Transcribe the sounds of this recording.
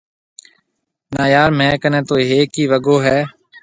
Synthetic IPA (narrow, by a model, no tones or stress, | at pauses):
naːjaːɾmɛ̃ːkənɛ̃ːt̪oːɦeːkiːʋəɡoːɦɛː